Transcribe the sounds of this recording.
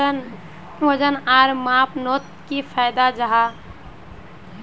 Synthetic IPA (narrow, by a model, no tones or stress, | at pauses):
n | wəd͡ʒənaːɾmãːpnoːt̪̚kipʰaːjd̪ad͡ʒəɦa